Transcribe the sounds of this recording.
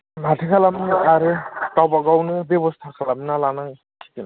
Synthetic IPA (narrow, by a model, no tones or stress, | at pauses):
mʱatʰikʰalamnɯaɾekawbaɡawnɯbjebɔst̪ʰakʰalaminalanaŋ | kʰi̥t̪ina